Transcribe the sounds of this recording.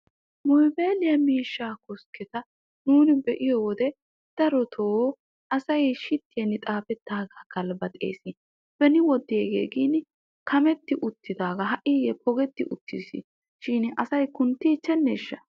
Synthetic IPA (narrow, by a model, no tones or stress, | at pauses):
mɔjbeːlɪjɐmiːʃːaːkɔskɛt̪ɐ | nuːnɪbɛʔɪjɔwɔd̪ɛ | d̪̥ɐɾɔt̪ʰoː | ʔɐsɐjʃɪt̪ːɪjɐnːɪt̪ʼaːfɛt̪ːaːɡɐːkɐlbɐt̪ʼḛːsɪ | b̥ɛnɪwɔd̪ːɪeːɡḛːɡiːn | kʰɐmɛt̪ːɪʔʊt̪ːɪd̪aːɡɐɦɐʔɪjɛpʰɔɡɛt̪ːɪʔʊt̪ʰːḭsɪ̰ | ʃɪnɐsɐjkʊnt̪ːit͡ʃːɛnːeːʃːɐ